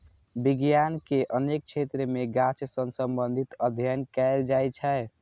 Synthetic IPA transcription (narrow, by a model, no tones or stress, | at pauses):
biɡjankeʔənek̚t͡ʃʰet̪ɾəmeɡat͡ʃsənsəmbənd̪ʱit̪əd̪ʱjənkɛɪld͡ʒajt͡ʃʰɛ